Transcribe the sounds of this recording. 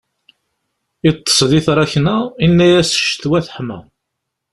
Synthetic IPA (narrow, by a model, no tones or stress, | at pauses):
it̪ˤːə̥sˤðiθɾˤɑçnæinːæjæsə̥ʃt̪wæθəħmæ̰